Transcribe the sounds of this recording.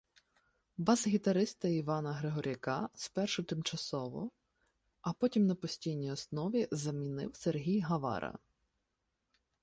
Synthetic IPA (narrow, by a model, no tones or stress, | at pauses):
bɑzɦʲit̪ɐɾɪst̪ɐiʋɑnɐɦɾeɦɔɾʲɐkɑspɛrʃʊt̪ɪmt͡ʃɐsɔʋɔ̰ | ɐpɔtʲimnɐpɔsʲtʲijnʲijɔsnɔʋʲizɐmʲinɪ̰wserɦʲijɦɐʋɑ̰ɾɐ̰